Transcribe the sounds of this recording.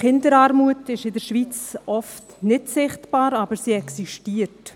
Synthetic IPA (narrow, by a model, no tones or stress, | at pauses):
χɪndəɾaːɾmuətɪʃɪdəɾʃʋit͡sɔft | nɪtsɪχtb̥aːɾɑbəɾsiɛksiʃtiːəɾt